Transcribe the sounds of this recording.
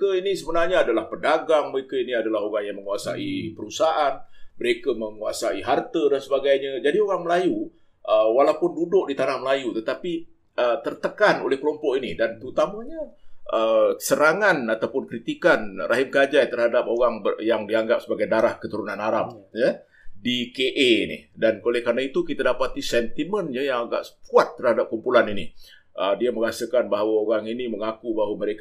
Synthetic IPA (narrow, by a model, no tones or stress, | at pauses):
kəinisəbənarɲaːdalahpəndaɡaŋməɾekəiniadalaɦoɾaŋjaŋməŋuasa̰ʔḭpəɾusaʔanməɾekəmə̃ŋuasaiɦart̪ədansəbaɡajɲad͡ʒadioɾaŋməlaju | ʔəwalawpʊndudʊʔ̚dit̪anahməlajut̪ət̪api | ət̪ərt̪əkano̰lɛhkəlɔmpɔʔinidant̪əut̪amaɲaʔəsəɾaŋanat̪awpʊnkɾit̪ikanrʔaɦɪmkad͡ʒajt̪ərhadap̚oɾaŋbəjaŋdiaŋɡap̚səbaɡajdaɾahkət̪uɾunãnaɾap̚ja | dikeʔeinḭdankolɛhkarnait̪ukit̪adapat̪isɛnt̪imənɲajaŋaɡa̰ʔsp̚uat̪ːərhadap̚kumpulanini | ədiaməŋasakanbaɦawaoɾaŋiniməŋakubaɦawaməɾek